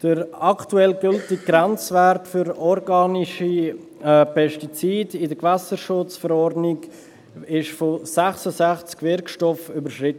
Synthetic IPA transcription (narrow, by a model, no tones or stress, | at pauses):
d̥əɾɑktuɛlɡʏltɪkɡ̥ɾɛnt͡svæɾtfʏɾɔɾɡɑːniʃi | pʰɛʃtit͡siːdɪdəɡvæsəʃʊt͡sfəɾɔrdnɪɡ | ɪʃfɔsæχsəsæχt͡skvɪɾkʃtɔfybəʃrɪtə